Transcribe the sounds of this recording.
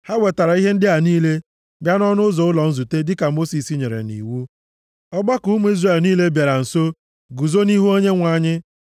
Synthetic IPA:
ha˦we˨ta˨ɾa˨i˦ɦe˦n̩˦dɪ˦a˨niː˦le˦ | bja˦nɔ˦nʊ˦zɔ˨ʊ˦lɔ˨n̩˦zu˨te˦dɪ˦ka˨mo˦si˨si˦ɲe˨ɾḛ˨nḭ˨wu˦ | ɔ˦ɡ͡ba˦kʊ˨u˦mu˦i˦zre˨lniː˦le˦bja˨ɾa˨n̩˨so˦ | ɡu˨zo˦ni˦ɦu˦o˦ɲe˦ŋʷa˦˨ɲɪ˦

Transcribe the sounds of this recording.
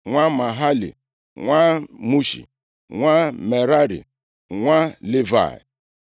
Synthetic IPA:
ŋʷa˦ma˨ɦa˦lḭ˨ | ŋʷa˦mu˦ʃḭ˨ | ŋʷa˦me˨ɾa˦ɾḭ˨ | ŋʷa˦li˦va̰˨ḭ˨

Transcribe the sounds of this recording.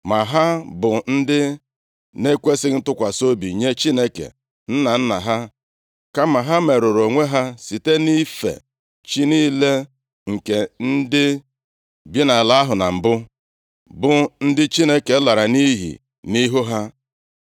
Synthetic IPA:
ma˨ɦa˦bʊ˨n̩˦dɪ˦ | ne˦kʷe˦sɪ˦n̩˦tʊ˦kʷa˨so˦bi˨ɲe˦t͡ʃi˦ne˦kḛ˨ | n̩˦na˨n̩˦na̰˨ɦa˦ | ka˦ma˨ɦa˦me˨ɾo˨ɾo˨ŋʷe˦ɦa˦si˨te˦ni˦fḛ˨ | t͡ʃi˦niː˦le˦ | ŋ̩˨ke˨n̩˦dɪ˦ | bi˦na˨la˨a˦ɦʊ˨na˨m̩˨bʊ˦ | bʊ˨n̩˦dɪ˦t͡ʃi˦ne˦ke˨˦la˨ɾa˨ni˦ɦḭ˨ | ni˦ɦu˦ɦa˦

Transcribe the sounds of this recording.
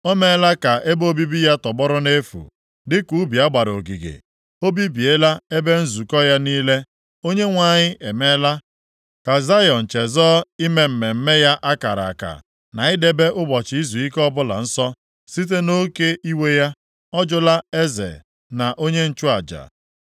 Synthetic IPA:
o˦me˦la˦ka˨ʔe˦bo˦bi˦bi˦ja˦tɔ˨bɔ˦ɾʊ˦ne˦fṵ˨ | dɪ˦ku˨˦bi˨a˦ɡ͡ba˨ɾo˨ɡi˨ɡḛ˨ | o˦bi˦bi˨e˦la˦e˦be˦n̩˦zu˨kɔ˦ja˦niː˦le˦ | o˦ɲe˦ŋʷa˨ɲɪ˦ʔe˨me˦la˦ | ka˨za˦jɔ˨n̩˨t͡ʃe˨zɔː˦i˦me˨m̩˨me˨m̩˦me˦ja˦ʔa˦ka˨ɾa̰˨ka̰˨ | na˨ɪ˦de˦be˦ʔʊ˦bɔ˨t͡ʃɪ˨˦i˦zu˨i˦kɔ˦bʊ˦la̰˨n̩˦sɔ˦ | si˦t̬e˦no˦ke˦i˦we˦ja˦ | ɔ˦d͡ʒʊ˦la˦e˦zḛ˨ | na˨ʔo˦ɲe˦n̩˦t͡ʃʊ˦a˨d͡ʒa̰˨

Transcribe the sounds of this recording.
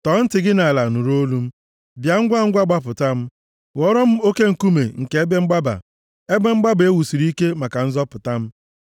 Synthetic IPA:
tɔ˨˦n̩˦tɪ˨ɡɪ˦na˨la˨nu˨ɾo˦lu˦m̩˦ | bja˨ŋ̩˦ɡʷa˦˨ŋ̩˦ɡʷa˦ɡ͡ba˦p̬ʊ˨ta˦m̩˦ | wɔ˦ɾɔ˦m̩˦o˦ke˦ŋ̩˨ku˦me˨ŋ̩˨ke˨e˦be˦ŋ͡m̩˦ɡ͡ba˦ba̰˨ | e˦be˦ŋ͡m̩˦ɡ͡ba˦be˦wu˨si˨ɾi˦ke˦ma˨ka˨n̩˦zɔ˦pʊ˨ta˦m̩˦

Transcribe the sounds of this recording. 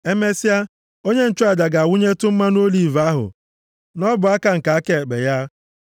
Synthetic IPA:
e˦me˦si˦a˦ | o˦ɲe˦n̩˨t͡ʃʊ˦a˦˨da˨ɡa˨wʊ˦ɲe˦tʊ˦m̩˦ma˦no˦li˨va˦ɦʊ̰˨ | nɔ˦bʊ˨a˦ka˨ŋ̩˨ka˨a˦ke˨k͡pḛ˨ja˦

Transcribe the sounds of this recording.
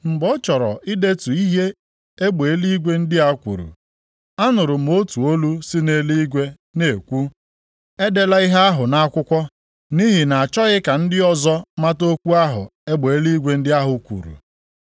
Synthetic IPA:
m̩˨bo˦t͡ʃɔ˨ɾɔ̰˨i˦de˦tu˨i˦ɦe˦ | e˦ɡ͡be˨e˦li˦ɡʷe˦n̩˦dɪ˦a˦kʷṵ˨ɾṵ˨ | a˦nʊ˨ɾʊ˨m̩˦o˦tu˨o˦lu˦sɪ˦ne˨˦li˦ɡʷe˦ | ne˨kʷu˦ | e˦de˦la˦i˦ɦa˦a˦ɦʊ˨na˦kʷʊ˦kʷɔ˦ | ni˦ɦɪ˨na˨a˨t͡ʃɔ˦ɣɪ˦ka˨n̩˦dɪ˦ɔ˦zɔ˦ma˦to˦kʷu˦a˦ɦʊ̰˨e˦ɡ͡be˨e˦li˦ɡʷe˦n̩˦dɪ˦a˦ɦʊ˨kʷṵ˨ɾṵ˨

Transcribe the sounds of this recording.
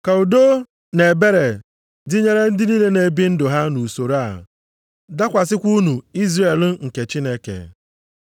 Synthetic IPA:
ka˨u˨do˦ | ne˨be˦ɾe˨ | dɪ˦ɲe˦ɾe˦n̩˦dɪ˦ni˦le˦ne˨bi˦n̩˦dʊ˨ɦa˦nu˨so˨ɾa˦˨ | da˦kʷa˨s̬ɪ˦kʷu˦nu˨i˦zre˨lŋ̩˨ke˨t͡ʃi˦ne˦kḛ˨

